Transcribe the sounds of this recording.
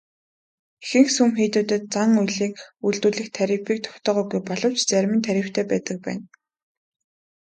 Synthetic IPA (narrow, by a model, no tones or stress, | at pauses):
exɘ̆ŋsumxiːt̪uːt̪ɘ̆t̪̚t͡saŋujɮiːkuɮt̪uːɮɘ̆xt̪ʰæɾʲĭpiːk̚t̪ʰʊ̥kt̪ɔːʁʊːɡujpɔɮɞ̆w̥t͡ɕt͡sæɾʲmɘ̆nt̪ʰæɾʲɪ̆w̥t̪ʰeːpæːt̪ə̆k̚pæ̰ːn